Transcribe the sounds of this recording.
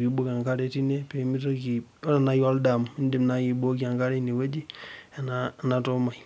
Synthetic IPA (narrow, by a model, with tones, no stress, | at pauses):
ki˨bo˦ka˨ŋka˦ɾe˨ti˦ne˦pe˨˦mi˦to˦ki˨˦a˨najo˦lda˨m˨i˦ndi˦mna˦ji˨bo˦ki˦a˨ŋka˦ɾe˦ni˨we˦d͡ʒi˦e˨nana˨to˦ma˨j